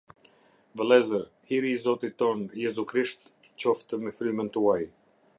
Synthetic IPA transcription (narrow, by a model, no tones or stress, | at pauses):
vəlˠɛzəɾ | iɾizɔt̪it̪ɔnjɛzukɾiʃt̪ | t͡ɕɔft̪əmɛfɾymənt̪uaj